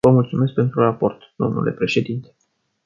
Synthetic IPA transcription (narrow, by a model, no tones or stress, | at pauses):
vəmult̪sumesk̚pe̞nt̪ɾurapo̞rt̪d̪o̞mnʔṵle̞̰pɾe̞ʃe̞d̪int̪e̞̥